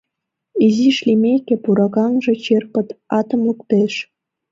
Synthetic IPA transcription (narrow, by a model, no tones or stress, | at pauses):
iziʃlimekepuɾɑkɑnʒĕt͡ɕerpə̆t̪ɑt̪ə̆mlukt̪eʃ